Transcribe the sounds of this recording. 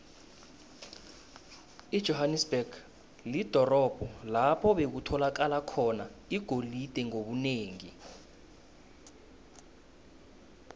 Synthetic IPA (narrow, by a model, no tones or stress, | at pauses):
i̥ʒ̥ʱɔɦanɛsb̥ɛɡ̥ | lid̥ʱɔrɔb̥ʱɔlapʰɔɓek̬utʰɔlak̬alakʰɔnaiɡ̥ʱolid̥ʱɛŋoɓuneːŋi